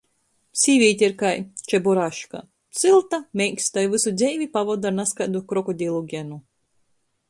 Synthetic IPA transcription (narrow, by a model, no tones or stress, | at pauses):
sʲiːvʲiːt̪ʲiɾkajt͡ʃɛbɔɾaʃka̰ | sɨlˠt̪amʲɛjkʲsʲt̪ajvɨsud̪zʲɛjvʲipavɔd̪aɾnaskad̪ukɾɔkɔd̪ʲilˠuɡʲɛnu